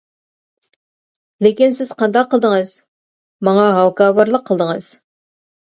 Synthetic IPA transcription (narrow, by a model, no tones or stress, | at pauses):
lekʲinsɪz̥qʰɑnd̪ɑqʰːəlˠd̪əŋɨz̥ | mɑŋɑɦɑwkɑːbɑɾlˠəqʰːəlˠd̪əŋɨz̥